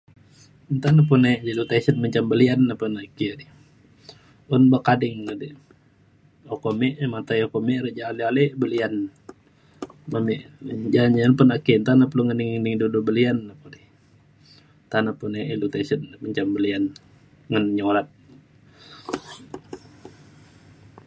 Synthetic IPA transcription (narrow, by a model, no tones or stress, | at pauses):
nt̪anap̬uned͡ʒəldut̪asənməɲt͡ʃambəlianːapənakidi | ʊnbakadɪŋnadi | okomɛʔmat̪ajokomeɾəd͡ʒaːlialebəlian | mamiʔd͡ʒaɲanpənakint̪anapluŋəniŋnɪŋdudubəlianːapadi | t̪anapuneindut̪asənməɲt͡ʃambəlian | ŋanɲoɾat̪̚